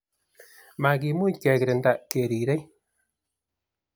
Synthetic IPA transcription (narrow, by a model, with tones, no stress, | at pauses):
ma˨ɡi˨mu˦kɛ˨kɾɪ˨nda˨ke˨ɾi˨ɾe˦j